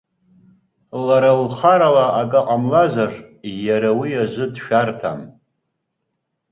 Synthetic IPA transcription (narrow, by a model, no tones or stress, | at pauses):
laɾalχaɾalaːkʼaqʼamlazʷarjaɾawijaʒʷɨdʃᶣartʰa̰m